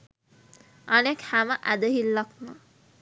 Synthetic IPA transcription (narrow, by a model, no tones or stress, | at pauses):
anekhæməʔæd̪əɦilːaknə